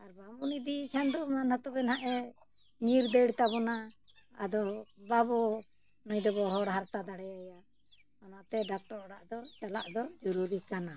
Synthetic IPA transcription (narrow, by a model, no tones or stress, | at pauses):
aɾbambunid̪ikʰand̪ɔmanat̪ɔbɛnaʔɛ | ɲiɾd̪eɽt̪aβɔna | a̰d̪ɔbabɔ | nɔjd̪ɔβɔɦɔɽɦaɾt̪ad̪aɽɛjaja | ɔnat̪ɛɖak̚ʈɔɾɔɽaʔd̪ɔt͡ʃalaʔd̪ɔd͡ʒɔɾuɾikana